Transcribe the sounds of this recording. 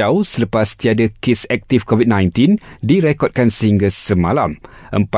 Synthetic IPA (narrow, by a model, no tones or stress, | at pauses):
awsələpast̪iadakesɛk̚t̪ifkɔvid̚nãjnt̪indiɾɛkɔd̚kansəhiŋɡasəmãlamʔəmpa